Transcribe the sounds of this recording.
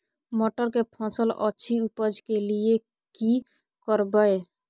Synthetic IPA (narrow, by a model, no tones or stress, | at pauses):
moʈəɾkepʰɔ̃sələ̰tːʃʰiupəd͡ʒkelie | ki | kəɾbəe